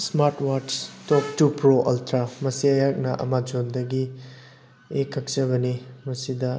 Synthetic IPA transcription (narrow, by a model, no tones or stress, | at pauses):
smaɾtwaɾtstɔk̚tupɾoʔɐ̰ltʰɾamɐsiɐjak̚nɐʔɐ̰mad͡ʒondɐɡi | ekʰːɐk̚sɐβɐnimɐsidɐ